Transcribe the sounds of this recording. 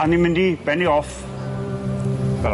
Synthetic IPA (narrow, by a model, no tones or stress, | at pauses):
animɪndib̥ɛniɔf | vɛl